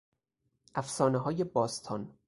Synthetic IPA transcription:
ʔæfsɒːneɦɒːjebɒːst̪ʰɒːn

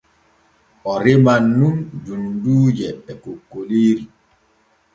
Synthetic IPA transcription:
ɔɾemanːumd͡ʒunduːd͡ʒɛɓɛkokːoliːɾi

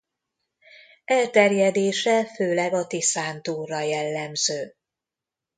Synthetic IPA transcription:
ɛlt̪ɛrjɛd̪eːʃɛføːlɛɡɒt̪isaːnt̪uːrːɒjɛlːɛmzøː

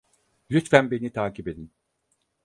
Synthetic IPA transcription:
lʲyt̪fænbe̞nit̪ʰaːcʰipe̞d̪in

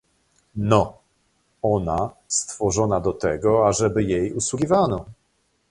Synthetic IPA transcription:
nɔ | ɔna | st̪fɔʐɔnad̪ɔt̪ɛɡɔaʐɛbɘjejuswuɡʲivanɔ

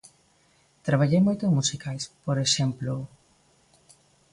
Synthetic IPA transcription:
t̪ɾaβ̞aʎejmojt̪oeŋmusikajspoɾeʃemplo

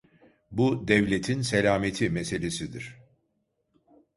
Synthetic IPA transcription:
bud̪ɛvlʲet̪ʰinselʲaːmet̪ʰimese̞lʲesid̪iɾ̥

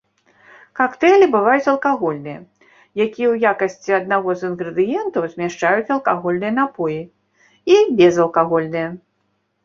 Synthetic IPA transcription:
kakt̪ɛlʲibɨvajut͡sʲɐlˠkaɣɔlʲnɨjɐ | jakʲijɛwjakɐsʲt͡sʲiɐd̪naɣɔzɨnɣɾɨd̪ɨjɛnt̪ɐwzʲmʲaʂt͡ʂajut͡sʲɐlˠkaɣɔlʲnɨjɐnapɔji | ibʲɛzɐlˠkaɣɔlʲnɨjɐ

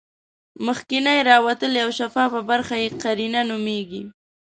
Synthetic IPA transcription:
məxkɪnajɾɑwat̪əljawʃafɑpəbaɾxajeqaɾinanʊmeɡi

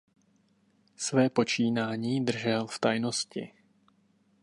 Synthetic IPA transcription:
svɛːpo̞t͡ʃiːnaːɲiːd̪r̩ʒɛlft̪ajnoscɪ̰

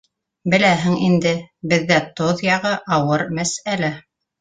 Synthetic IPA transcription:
bɘ̆læɦɘŋind̪ɘbɘ̆ðːæt̪oðjɑʁɤʔɑwɤɾmæsælæ

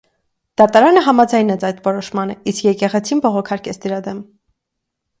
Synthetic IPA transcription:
d̪̥ɑt̪ɑɾɑnəɦɑmɑd͡zɑjnɛt͡sʰɑjt̪vɔɾɔʃmɑnəiskjɛkɛʁɛt͡sʰinbɔʁɔkʰɑɾkɛt͡sʰd̪əɾɑd̪ɛm

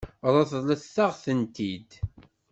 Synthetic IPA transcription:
ɾˤɑθðˤləθθaʁθənt̪id̪

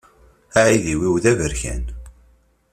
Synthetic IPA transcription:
aʕiðiwiwðævəɾçæ̰n

